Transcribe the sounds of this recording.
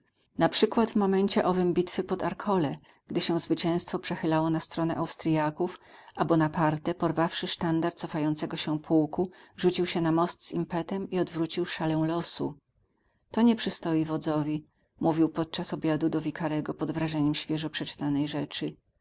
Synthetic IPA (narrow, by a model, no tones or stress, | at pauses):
napʂɘkwad̪vmɔmɛɲt͡ɕɛʔɔvɘmbʲit̪fɘpɔd̪aɾkʰɔlɛ | ɡ̥d̪ɘɕɛw̃zvɘt͡ɕɛ̃w̃st̪fɔpʂɛxɘlawɔnast̪ɾɔnɛʔawst̪ɾjakufʔabɔnapaɾt̪ɛpɔɾvafʂɘʂt̪and̪aɾt̪̚sɔfajɔnt̪sɛɡɔɕɛ̃pʰuwkuʐut͡ɕiwɕɛnamɔst̪z̥impɛt̪ɛmiɔd̪vɾut͡ɕiwʂalɛ̃w̃lɔsṵ | t̪ɔɲɛpʂɘst̪ɔjivɔd̪zɔvʲi | muvʲiwpɔt̪̚t͡ʂasɔbʲjad̪ud̪ɔvʲikaɾɛɡɔpɔd̪vɾaʐɛɲɛmɕfʲjɛʐɔpʂɛt͡ʂt̪anɛjʐɛt͡ʂɘ